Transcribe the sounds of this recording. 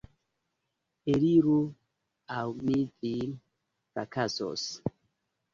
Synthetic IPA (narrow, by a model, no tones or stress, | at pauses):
eliɾu | awmidi | fakaso̰s